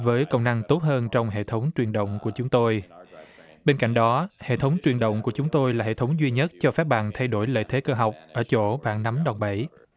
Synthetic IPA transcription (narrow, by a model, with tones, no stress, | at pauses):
vəː˨˦jkə˧˨wŋ͡mna˧ŋt̪o˦˥t̚həː˧nt͡ɕɔ˧wŋ͡mɦḛ˧˨t̪ʰə˨˦wŋ͡mt͡ɕwi˨˩ənɗə̰˧˨wŋ͡mku˧˩ət͡ɕʊ˨˦ŋ͡mt̪o˧j | ɓe˧nka̰˧˨jŋ̟ɗɔ˨˦hḛ˧˨t̪ʰə˨˦wŋ͡mt͡ɕwi˨˩ənɗə̰˧˨wŋ͡mku˧˩t͡ɕʊ˨˦ŋ͡mt̪o˧jlaː˨˩hḛ˧˨t̪ʰə˨˦wŋ͡mzwi˧ɲə˦˥t̚t͡ɕɔ˧faː˦˥k̚ɓa̰ː˧˨nt̪ʰa˧jɗo˧˩jlə̰ː˧˨t̪ʰe˨˦kəː˧ɦa˨˩wk͡p̚ʔəː˧˩t͡ɕo̰˧˩ɓa̰ː˧˨nna˨˦mɗɔ˨˩wŋ͡mɓə˧˩j